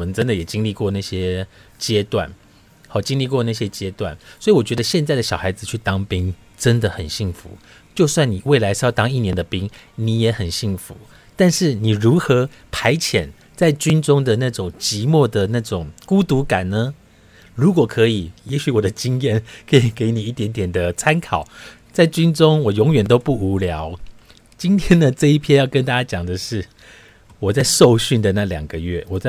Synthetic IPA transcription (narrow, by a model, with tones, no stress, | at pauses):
mə˦nʈ͡ʂə˥˦nd̪ə˨jɛ˨˩t͡ɕi˥ŋli˥˧kwɔ˥˧na˥˩ɕjɛ˥t͡ɕjɛ˥t̪wa̰˥˩n | xɑ˨˩t͡ɕi˥ŋli˥˧kwɔ˥˧na˥˩ɕjɛ˥t͡ɕjɛ˥t̪wa̰˥˩nswɔ˧˥i˨wɔ˨˩t͡ɕɥɛ˧˥d̪ə˧ɕjɛ˥˧nt͡sa˥˩ɪd̪ə˩ɕjɑ˨˩xa˧˥ɪd͡zɹ̩˨˧t͡ɕʰy˥˩t̪ɑ˧˥ŋpi˥ŋ | ʈ͡ʂə˦nd̪ə˨xə˨˩nɕi˥˩ŋfṵ˧˦ | t͡ɕjo˥˧ʊswa˥˩nni˨˩we˥˩ɪla˧˥ɪʂ̩˥jɑ˥˩ʊt̪ɑ˥ŋi˥˩njɛ˧˥nd̪ə˨pi˥ŋni˨˧˥jɛ˧˥xə˨˩nɕi˥˩ŋfṵ˧˦ | t̪a˥˧nʂɻ̩˥˩ni˨˩ɻu˧˥xɤ˧˥ | pʰa˧˥ɪt͡ɕʰjɛ˨˩n | t͡sa˥˩ɪt͡ɕy˥nʈ͡ʂʊ˥ŋd̪ə˨na˥˩ʈ͡ʂʊ˨˩ŋt͡ɕi˧˥mwɔ˥˩d̪ə˩na˥˩ʈ͡ʂʊ˨˩ŋku˥t̪u˧˥ka˨˩nnə˦ | ɻu˧˥kwɔ˨˩kʰɤ˧˥i˨˩jɛ˧˥ɕy˨˧˦wɔ˨˩d̪ə˦t͡ɕi˦ŋjɛ˥˩nkʰɤ˧˥i˨˩ke˧˥ɪni˨˩i˥˩t̪jɛ˧˥nt̪jɛ˨˩nd̪ə˩t͡sʰa˥nkʰɑ˨˩˦ʊ | t͡sa˥˩ɪt͡ɕy˥nʈ͡ʂʊ˥ŋwɔ˨˩jʊ˧˥ŋɥɛ˨˩nt̪o˥ʊpu˥˩u˧˥ljɑ˧˥ʊ | t͡ɕi˦nt̪ʰjɛ˥nd̪ə˨ʈ͡ʂɤ˥˧i˥˩pʰjɛ˥njɑ˥˩ʊkə˦nt̪a˥t͡ɕa˥t͡ɕjɑ˨˩ŋd̪ə˩ʂɻ̩˥˩ | wɔ˨˩t͡sa˥˧ɪʂo˥˧ʊɕy˥˩nd̪ə˩na˥˩ljɑ̰˨˩ŋɡə˦ɥɛ˥˩wɔ˨˩t͡sa˥˩